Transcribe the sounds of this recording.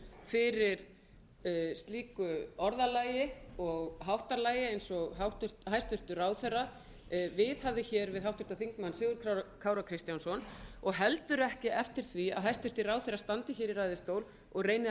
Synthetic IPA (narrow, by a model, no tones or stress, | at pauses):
fɪɾɪɾ̥ | st̪liːkʏɔɾðalaːjɪɔɣɦawht̪alaːjɪejnsɔɣɦawht̪ʏ̥t̪hajst̪ʏr̥t̪ʏɾaːwθejrːa | vɪðhavðɪçɛɾvɪðɦawht̪ʏ̥t̪aθiŋkmanːsɪːɣʏɾkʰakʰaːwɾakʰɾɪst̪jansɔnɔɣɦɛlt̪ʏɾʏɛhcɪʔɛft̪ɪɾ̥θvia̰ðɦajst̪ʏr̥t̪ɪrawθerːast̪ant̪ɪçɛɾiɾajðɪst̪oːwl | ɔɣreːjnɪ